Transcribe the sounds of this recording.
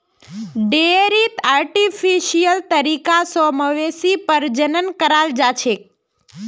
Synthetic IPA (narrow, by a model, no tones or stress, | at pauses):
ɖeeɾit̪aɾʈifiʃijəlt̪əɾikasoməʋesipəɾd͡ʒənənkəɾald͡ʒat͡ʃʰe